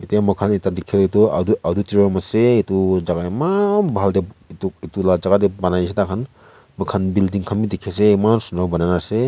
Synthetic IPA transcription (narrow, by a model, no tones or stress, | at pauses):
itajamɯkʰanitadikʰeɾituaduadutiɾɔmaseitud͡ʒaɡaimabaldeituk̚itulad͡ʒaɡadebanajsetakʰan | mɯkʰanbildiŋkʰamidikʰːes̬emansunɾawbanajnase